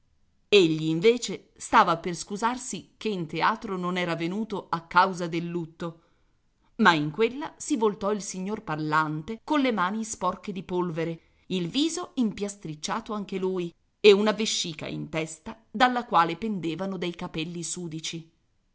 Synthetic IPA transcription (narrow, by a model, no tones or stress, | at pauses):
eʎːiːɱveːt͡ʃe | st̪aːvaperskuzarsikeint̪eaːt̪ɾononɛːɾavenuːt̪oakːawzad̪elːut̪ːo | maiŋkwelːasivolt̪ɔilsiɲːorparlant̪ekonlemaːnispɔrked̪ipolveɾe | ilviːzoimpjast̪ɾit͡ʃːaːt̪oaŋk̟eluːj | eunaveʃːiːka̰ḭnt̪ɛst̪a | d̪alːakwaːlepend̪eːvanod̪ejkapɛlːisuːd̪it͡ʃi